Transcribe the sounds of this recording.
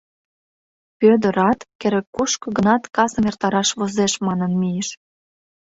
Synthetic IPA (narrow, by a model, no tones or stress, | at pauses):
pød̪əɾɑt̪keɾekːuʃkɤ̆ɣənɑt̪kɑsəmert̪ɑɾɑʃβozeʃmɑnənmieʃ